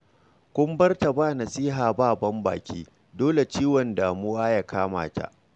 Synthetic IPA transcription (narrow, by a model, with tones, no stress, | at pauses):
kʷʊ˦mbɐ˦rta˨baː˦nɐ˨sʼiː˦ɦaː˨baː˦˨bɐ˦mba̰ː˨kʲiː˦ | doː˦le˨t͡ʃiː˦wɔ˨ndaː˨mʊ˦waː˦ja˨kʰaː˦ma̰ː˨ta̰˨ʔ